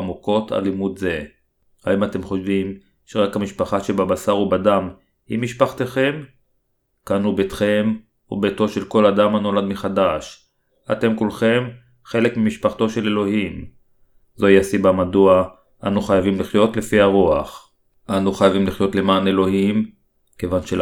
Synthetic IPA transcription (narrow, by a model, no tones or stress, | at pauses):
muko̞ta̰limudze̞ | haimat̪e̞mχo̞ʃvim | ʃeʁakhamiʃpaχaʃebabasaʁubadam | himiʃpaχt̪eχe̞m | kanubet̪χem | ṵbeto̞ʃe̞lko̞lad̪amano̞lad̪miχadaʃ | a̰te̞mkulχe̞m | χe̞le̞kmimiʃpaχt̪o̞ʃe̞le̞lo̞ɦim | zo̞iasibamadua | ʔanuχajavimliχjo̞t̪le̞fiaʁuaχ | ʔanuχajavimliχjo̞t̪le̞maːne̞lo̞him | ke̞vanʃe